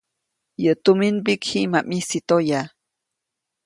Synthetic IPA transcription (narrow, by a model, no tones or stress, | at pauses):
jət̪uminbikhimamisit̪oja